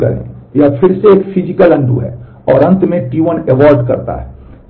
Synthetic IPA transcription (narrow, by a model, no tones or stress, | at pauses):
kɐ̰ɾḛ̃japʰɪɾseeːkpʰɪd͡ʒɪkəlɐ̃ɳɖṵɦɛ̰ː | ɔːɾɐ̃nt̪mẽʈiʋənɛʋaːɾɖkɐɾt̪a̰ɦɛː